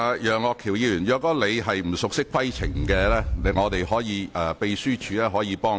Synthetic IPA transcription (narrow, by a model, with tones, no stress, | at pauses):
jœː˨ŋɔː˧kʰːiː˨˩wjiː˧jyː˨˩njœː˨˧kːɔː˧le˨˧jɦɐ˨jm̩˨˩sʊ˨k̚sɪ˥kʰwɐ˥jt͡sʰɪ˨˩ŋkɛː˧lɛː˥le˨˧ŋɔː˨˧t̪e˨jhɔː˨˥jiː˨˧ɛː˨˩pe˨˧jsyː˥t͡ʃʰyː˨˧lɛː˥ɦɔː˨˥jiː˨˧pɔː˥ŋ